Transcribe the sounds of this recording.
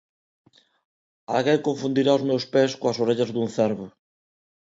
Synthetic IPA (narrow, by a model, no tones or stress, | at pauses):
a̰lɣejkoɱfund̪iɾaozmowspeskoɐsoɾeʎɐzðuŋθɛɾβʊ